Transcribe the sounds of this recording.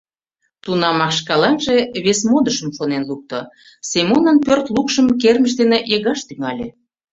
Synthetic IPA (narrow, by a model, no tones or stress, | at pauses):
t̪unɑmɑkʃkɑlɑnʒeβesmod̪əʃə̆mʃonenluk̚t̪o̰ | semonənpørt̪lukʃəmkerməʃ̬d̪eneʔeɣɑʃt̪yŋɑlʲe